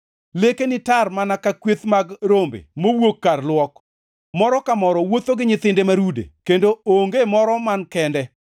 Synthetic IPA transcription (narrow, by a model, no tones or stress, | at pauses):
lekenɪtarmanakakwet̪maɡɾombḛmowwokːarlwɔk | mɔɾɔkamɔɾɔwot̪oɡɪɲɪt̪ɪndemaɾudḛkendooŋɡemɔɾɔmankɛndɛ